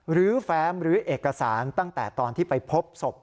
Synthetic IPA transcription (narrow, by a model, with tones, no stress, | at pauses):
ɾɯː˨˦fɛː˦˥mɾɯː˨˦ʔeː˨˩kːa˧saː˩˦nt̪a˥˩ŋt̪ɛː˨˩t̪ɔː˧nt̪ʰiː˥˩pa˧jpʰo˦˥p̚so˨˩p̚